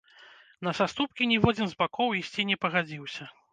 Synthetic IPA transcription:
nɐsast̪up̚kʲinʲɛvɔd͡zʲinzbakɔwisʲt͡sʲinʲɛpɐɣad͡zʲiwsʲɐ

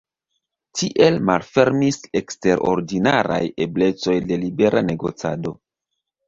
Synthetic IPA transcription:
tʰiʔe̞lmalfe̞ɾmise̞kste̞ɾʔo̞̰ɾdinaɾa̰je̞ble̞t͡so̞jde̞libe̞ɾʔane̞ɡo̞̰t͡sado̞

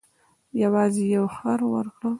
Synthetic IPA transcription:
jawɑːzijawχaɾwə̰ɾkɽə

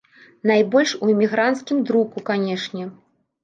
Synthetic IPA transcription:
najbɔlʲʂuimʲiɣɾant̪skʲimd̪ɾukukanʲɛʂnʲɛ

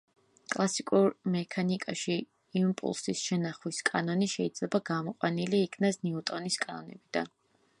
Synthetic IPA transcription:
kʼlˠasikʼuɾmɛkʰanikʼaʃiː | mpʼṵlˠsisʃɛnaχwiskʼanɔniʃɛid̪zlɛbaɡamɔqʼwaniliːkʰnasnɛut̪ʼɔniskʼanɔnɛ̰bid̪a̰n

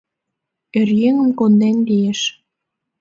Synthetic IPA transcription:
erjeŋə̆mkond̪enlieʃ

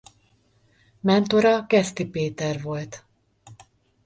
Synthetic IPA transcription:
mɛnt̪oɾɒkɛst̪ipeːt̪ɛrvo̞lt̪

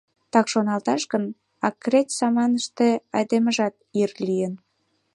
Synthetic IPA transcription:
t̪ɑkʃonɑlt̪ɑʃɣən | ɑkːretʲsɑmɑnəʃt̪eɑjd̪eməʒɑt̪irlijən

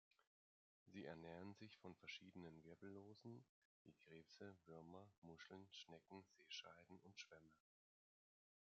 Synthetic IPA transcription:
ziːɛɐnɛːʁənzɪçfɔnfɛɐʃiːdənənvɪɐbl̩loːzn̩viːɡ̥ʁeːpsəvʏɐmɐmʊʃl̩nʃnɛkŋ̩z̥eːʃa̰ɪdn̩ʔʊntʃv̥ɛmə

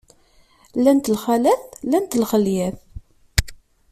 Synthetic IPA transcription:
lænt̪lχælæθlænt̪lχəljæθ

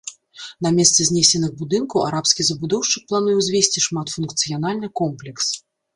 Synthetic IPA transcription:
n̪ɐmʲɛst̪sɛzʲnʲesʲɛnɨɣbud̪ɨnkɐwa̰ɾapskʲizɐbud̪ɔwʂt͡ʂɨk̚plˠanujɛwzʲvʲesʲt͡sʲiʂmat̪funkt̪sɨjanalʲnɨkɔmplʲɛks

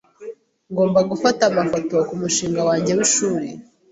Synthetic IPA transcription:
ŋɡo̞ːmbaɡufatamafotokumuʃiːŋɡawaːɲɟe̞wiʃuːɾḛ

